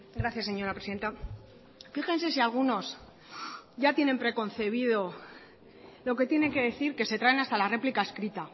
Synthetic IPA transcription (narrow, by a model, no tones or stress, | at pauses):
ɡɾaθjasːe̞ɲo̞ɾapɾe̞siðent̪a | fixe̞nse̞sialɣuno̞s | ʝat̪je̞ne̞mpɾe̞ko̞nθe̞β̞iðo̞ | lo̞ke̞t̪je̞ne̞ŋke̞ðe̞θiɾke̞se̞t̪ɾaenast̪alare̞plikae̞skɾit̪a